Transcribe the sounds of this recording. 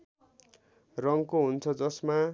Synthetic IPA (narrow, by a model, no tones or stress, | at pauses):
rʌŋkoɦunt͡sʰʌd͡zʌsma